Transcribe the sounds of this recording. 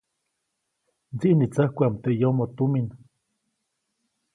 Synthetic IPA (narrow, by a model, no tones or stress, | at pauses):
nt͡siʔnit͡sahkʷamt̪eʔjomot̪umin